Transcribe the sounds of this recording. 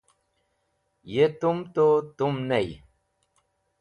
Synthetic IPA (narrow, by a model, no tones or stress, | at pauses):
jet̪umt̪ot̪umnej